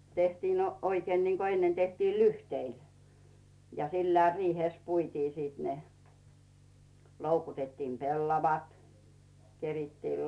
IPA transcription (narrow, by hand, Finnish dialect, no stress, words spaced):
tehtiːn no oikeːn niŋko enːen tehtiː lyhteil jɑ silːæː riːheˑs puitiː siːt ne loukutetːiːm pelːɑʋɑt keritːiːl